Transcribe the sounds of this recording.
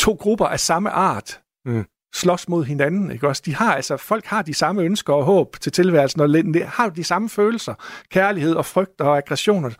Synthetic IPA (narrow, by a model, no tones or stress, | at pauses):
t͡sʰo̝̰ːɡ̥ʁub̥ɐʔæsɑ̈məʔɑ̰̈ːd̥ | slɒ̽smo̝ð̰ˠɦe̝nænn̩e̝ɡ̥ɒ̽sd̥ihɑ̈æl̰sɒfɒ̽l̰ɡ̥hɑ̈d̥isɑ̈məønsɡ̥ɐɒ̽ɦɔ̰̽ːb̥t͡sʰe̝lt͡sʰe̝lʋæɐl̩sn̩ɒlenəhɑ̈d̥isɑ̈məføːl̩sɐkʰæɐlihe̝ð̞̰ˠɒ̽fʁœɡ̥̚d̥ɒ̽æɡ̥ʁɛɕo̝̰ːnɐ